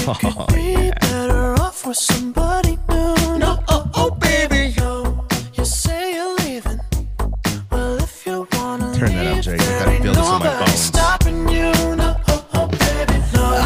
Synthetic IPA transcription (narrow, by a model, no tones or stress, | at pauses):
ɨkʰɨd̚bibɛɾə˞ɔfə˞sʌ̃mbɑɾinunoʊoobeɪbioʊjɨseɪjɨlivɪ̃n | b̥ʌlɪfjɨwɑnəiɛɹĩnoʊbaistɑpɪ̃ŋjɨnoʊoobeɪbio